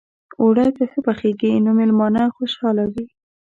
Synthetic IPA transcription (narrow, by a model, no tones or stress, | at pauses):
oɽajt̪asəpaxeɡinomɪlmɑnaxoʃɑlawi